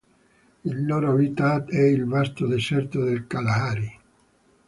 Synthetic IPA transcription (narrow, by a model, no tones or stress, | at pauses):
ilːoɾoabit̪ad̪ɛilvast̪od̪esɛrt̪od̪elkalaaɾi